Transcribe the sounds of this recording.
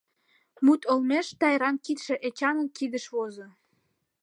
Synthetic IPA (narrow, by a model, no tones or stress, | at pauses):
mut̪olmeʃt̪ɑjɾɑnkit̪ʃĕʔet͡ɕɑnə̆nkid̪əʃβozo